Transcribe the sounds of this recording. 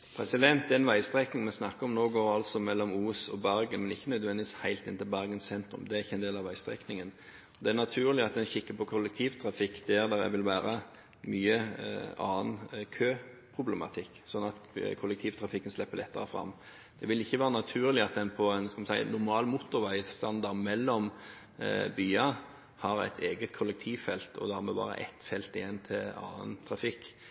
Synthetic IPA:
pʰɾɛsɪd̪ɛnt̪d̪ɛɛnʋæɪst̪ɾɛknɪŋmɛsnɑkːəɔmnoːɡoːɾɑlsɔmɛlːɔmuːsɔ̰bæɾɡənmɛnɪçːənœd̪ʋɛnd̪ɪʋɪːshæɪlt̪ɪnt̪əbæɾɡənssɛnt̪ɾʉ̰md̪ɛæʁɪçːəɛɪnd̪eːlɑʋæɪst̪ɾɛ̰knɪŋən | ɔd̪ɛæʁnɑt̪ʰʉːʁlɪɑt̪̚d̪ɛnçɪkːəpʰɔkʰʊlɛkt̪ʰiːʋt̪ʰɾɑfɪkːd̪̥ɛæʁd̪æɾæ̰ʋɪlʋæːɾə | myːəɑ̰ːnkʰøː | pʰʁʊblɛmɑ̰t̪ʰɪkːsɔnːɑt̪kʰɔlːɛk̚t̪ʰiːʋt̪ʰɾʁɑfɪkːənslɛpːəlɛt̪ːəʁəfɾɑ̰mː | d̪̥ɛʋɪlɪçːəʋæːɾənɑt̪ʰʉːʁlɪɑt̪̚d̪ɛnpʰɔɛnskɑmɛsæɪnːʊʁmɑːlmʊt̪ːʊɾʋæɪst̪ɑnd̪ɑʁd̪mɛlːɔm | byːɑ | hɑɾæ̰ɪt̪ʰeːɡət̪kʰɔlːɛk̚t̪ʰiːʋfɛlt̪ɔ̰d̪hɑʁmɛbɑ̰ːɾə̰ʔɛ̰t̪fɛlt̪ɪjɛnːt̪ʰɪlɑ̰ːə̰nt̪ʰʁɾɑfɪkː

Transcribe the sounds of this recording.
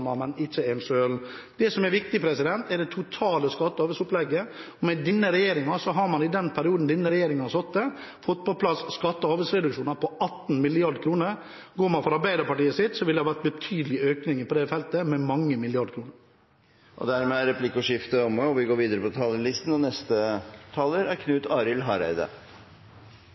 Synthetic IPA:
mɑmɛnɪt͡ʃːəɛnʂøːld̪ɛsɔmɛɾʋɪk̚t̪ɪpʰɾɛsɪd̪ɛnt̪ɛɖɛt̪ʰʊt̪ʰɑːləskɑt̪ːəhɑːʋəsʊplɛɡːəɔmɛd̪ɪnːəɾɛjeːɾɪŋɑsɔɦɑɾmɑnɪd̪ɛnpʰæɾɪuːd̪n̩d̪ɪnːəɾɛjeːɾɪŋɑɑsɔt̪d̪ɛ | fɔt̪ːpʰɔpʰlɑsskɑt̪ːəhɑːʋəsɾɛd̪ʉkʂuːnɑpʰɔɑt̪ːn̩mɪlɪɑɾɖ̪kʰɾuːnəɾ | ɡoːɾmɑnfɔɾɑɾbæɪd̪əpɑʈiːəsɪt̪sɔʋɪld̪ɛhɑʋæʈ̪̚bət̪ʰyːd̪əlɪøːknɪŋəpɔd̪ɛfɛlt̪əmɛmɑŋːəmɪlɪɑɖkʰɾuːnəɾ | ʔɔ̰d̪æɾmɛæɾɛpʰlɪkːɔʂɪft̪əɔməɔʋɪɡoːɾʋiːd̪əɾəpʰɔt̪ʰɑːləlɪst̪n̩ɔnɛst̪ət̪ʰɑːləɾæɾkʰnʉːt̪ɑːɾɪlɦɑːɾæ̰ɪd̪ə̰

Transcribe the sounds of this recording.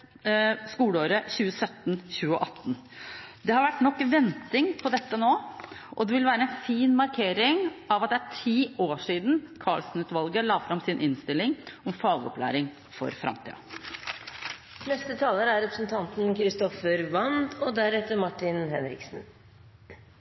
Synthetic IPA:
skuːləoːɾəçʉːəsœt̪nçʉːəʔɑt̪ːn | d̪ɛhɑɾʋæʈːnɔkːʋɛnt̪ɪŋpʰɔd̪ɛt̪ːənoːʔɔd̪ɛʋɪlʋæːɾəɛnfiːnmɑɾkʰeːɾɪŋɑʋɑt̪̚d̪ɛæʈʰiːoːʂiːd̪n̩kʰɑːɭsn̩ʉːt̪ʋɑlɡəɭɑːfɾɑmsɪnʔɪnst̪ɪlɪŋɔmfɑːɡɔ̰plæ̰ːɾɪŋ | fɔ̰ɾfɾʔɑ̰mt̪ʰḭːə̰ | nɛst̪ət̪ʰɑːləɾæɾɾɛpɾəsnt̪ʰɑnt̪nkʰɾɪst̪ɔfəɾʋɑnd̪ɔd̪æɾɛt̪ːəɾmɑʈːɪnhɛnɾɪ̰ksn

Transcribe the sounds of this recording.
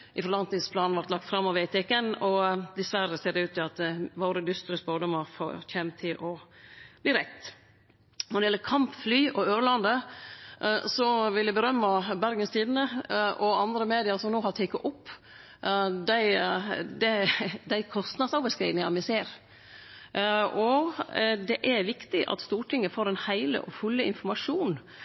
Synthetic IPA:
ʔɪfɔɾlɑnt̪ɪŋspʰlɑːnnʋɑɾt̪lɑk̚t̪fɾɑmːɔʋɛɪt̪ʰɛkɛnɔd̪ɛsʋæɾəseːɖɛʉːt̪ːɪɑt̪ʋoːɾəd̪ʏst̪ɾəsboːd̪əmɔfo̰ːçɛmt̪ʰɪlʔɔb̥liːɾɛt̪ː | nɔd̪ɪɛlːəkʰɑmpflyːʔɔøːɾlɑnd̪ə | sɔʋɪljæbəɾœmːəbæɾɡənst̪ʰiːd̪n̩əʔɔɑnd̪ɾəmeːd̪ɪɑsɔmnoːhɑɾt̪ʰɛɪkːɑʔʊpː | d̪æɪd̪ɛd̪æɪkʰɔst̪nɑd̪sɑʊʋəskɾḭːd̪nɪŋɑmɪseːɾ | ɔ | d̪ɛʔæɾʋɪkt̪ɪʔɑ̰t̪st̪uːʈɪŋːəfoːɾɛnhæɪlə̰ʔɔfʉlːəɪ̰nfɔɾmɑʂuːn

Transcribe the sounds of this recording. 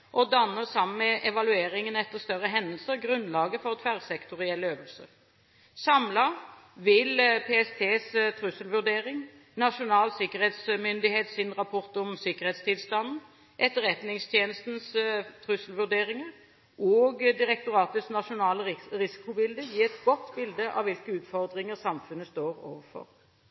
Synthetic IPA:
ʔɔd̪ɑnːəʁsɑmn̩mɛʔɛʋɑlʉeːʁɪŋənɛt̪ːəʁst̪œʁəɦɛnd̪əlsəʁɡɾʉnlɑːɡəfɔʁt̪ʰʋæʁsɛkt̪ʊʁɪɛlːəøːʋəlsə̰ʁ | sɑmlɑ | ʋɪlpʰeɛst̪ʰeːst̪ʰʁʉsəlʋʉʁd̪eːɾɪŋ | nɑʃʊnɑːlsɪkəʁheːt̪smʏnd̪ɪheːt̪sɪnʁɑpʰɔʁt̪ɔmsɪkəʁheːt̪st̪ʰɪlst̪ɑnn̩ | ʔɛt̪ːəʁɛt̪nɪŋst̪ʰjeːnəst̪n̩st̪ʰʁʉsəlʋʉʁd̪eːʁɪŋəʁ | ʔoːɡd̪ɪʁɛk̚t̪ʊʁɑːt̪əsnɑʂʊnɑːləʁɪsɪ̥kʊbɪld̪əjiːɛt̪ɡɔt̪ːbɪld̪əʔɑ̰ʋɪlkəʉːt̪fɔʁd̪ʁɪŋəʁsɑmfʉnːəst̪oːʁo̰ːʋəɾfɔ̰ʁ

